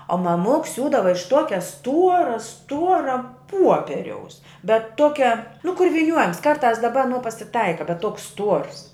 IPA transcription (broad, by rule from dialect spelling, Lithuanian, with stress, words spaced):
oː mɐˈmʊks ˈsʲuːdɐʋɐ ɪʃ ˈtuɔkʲɛ ˈstuɔrɐ ˈstuɔrɐ ˈpuɔpʲɛrʲɛʊs bʲɛt ˈtoːkʲɛ nʊ kʊr ʋʲiːˈnʲuɔjɛms kɐrˈtɑːs dɐˈbɐ ɐˈnuɔ pɐsʲɪˈtɐɪkɐ bʲɛt ˈtuɔks ˈstuɔrs